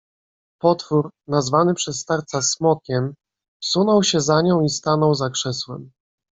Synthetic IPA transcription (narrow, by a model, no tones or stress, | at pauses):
pɔt̪fuɾnazvanɘpʂɛsːt̪aɾt̪sasmɔkʲɛm | fsunɔwɕɛzaɲɔ̃w̃ist̪anɔwzakʂɛswɛm